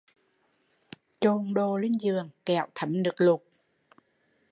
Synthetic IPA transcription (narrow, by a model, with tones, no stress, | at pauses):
t͡ɕo˧ŋɗo˧˩li˧ŋ̟zɨ˨˩əŋkɛ˧˩˨wt̪ʰə˨˦mnɨ˨˩k̚lʊ˨˩k̚